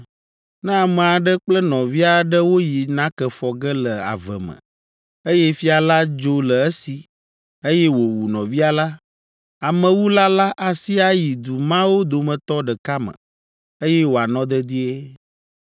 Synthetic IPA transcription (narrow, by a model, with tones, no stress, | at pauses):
nɛ̃˦a˨mɛ̃˨a˨ɖə˦k͡plə˦nɔ̃˨vi˦a˨ɖə˦wo˦ji˨nã˦kɛ˨fɔ˨ɡɛ˦lə˨a̰˨və̰˨mə̰̃˨ | e˦jɛ˦fi˦a˨la˦d͡ʒo˦lə˨ɛ˦si˨ | e˦jɛ˦wo˨wu˨nɔ̃˨vi˦a˨la˦ | a˨mə̃˨wu˦la˦la˦ʔa˨si˦a˦ji˨d̪u˨mã˦wo˦d̪o˨mə̃˨t̪ɔ˦ɖə˨ka˦mə̰̃˨ | e˦jɛ˦wo˨a˨nɔ̃˦d̪ɛ˦d̪i˦e˦